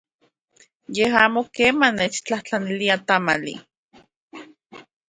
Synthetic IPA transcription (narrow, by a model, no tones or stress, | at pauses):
jehaːmokeːmanet͡ʃt͡ɬaht͡ɬaniliat̪amalḭ